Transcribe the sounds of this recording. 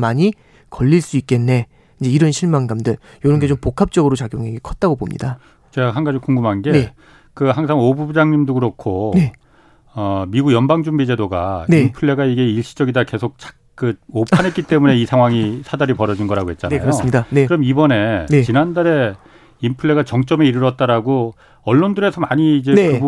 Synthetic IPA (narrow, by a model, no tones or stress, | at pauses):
maɲi | kʌʎːiɭs͈uik͈̚e̞nːe̞ | iɲd͡ʑe̞iɾʌnɕʰiɭmaŋɡamdɯɭ | joɾʌnɡe̞t͡ɕompokʰap̚t͡ɕ͈ʌɡɯɾot͡ɕaɡjoŋeɡekʰʌt̚t͈aɡobomɲḭda | t͡ɕeɦanɡad͡ʑikoŋɡumanɡe̞e | kɯɦaŋs̬ʰaŋobubud͡ʑaŋɲimdokɯɾokʰone̞ | ʌmiɡuɡjʌnbaŋd͡ʑumbid͡ʑe̞doɡa̰neimpʰɯɭːe̞ɡaiɡe̞iɭɕ͈ʰi̥d͡ʑʌɡidake̞sʰok̚t͡ɕḁk̚k͈ɯopʰanɦet̚k͈it͈e̞mune̞isʰaŋwaŋisʰadaɾipʌɾʌd͡ʑinɡʌɾaɡoɦe̞t̚t͡ɕ͈anakjɯjoidaeɯɾʌmibʌne̞net͡ɕinandaɾe̞ | impʰɯɭːe̞ɡat͡ɕʌŋt͡ɕ͈ʌme̞iɾɯɾʌt̚t͈aɾaɡo | ʌɭːondɯɾe̞sʰʌmaɲiːd͡ʑe̞nekɯ